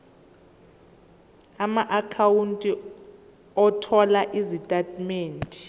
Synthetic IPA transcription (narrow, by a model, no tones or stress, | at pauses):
amaʔakʰawuntʼi | ɔtʰɔlaʔizitʼatʰʼmeːntʼi̥